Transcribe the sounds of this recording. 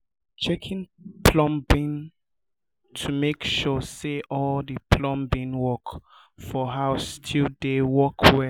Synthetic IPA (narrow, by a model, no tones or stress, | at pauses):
t͡ʃɛkʰĩnpʰlɔ̃mbĩn | tʰumekʃɔseʔɔldəpʰlɔ̃mbĩnwɔk | fɔɦaʊstʰildewɔkʰwɛ